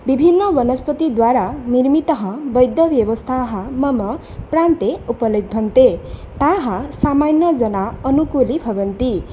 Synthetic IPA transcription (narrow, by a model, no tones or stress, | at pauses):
bibʱinːʌbʌnʌspʌt̪id̪waɾaniɾmit̪ʌɦʌ̃bʌjd̪jʌbjʌbɔst̪ʰaɦʌmʌmʌ | pɾant̪eupʌlibʱʌnt̪et̪aɦʌ̃samanːʌd͡ʒʌnaʌnukulibʱʌbʌnt̪i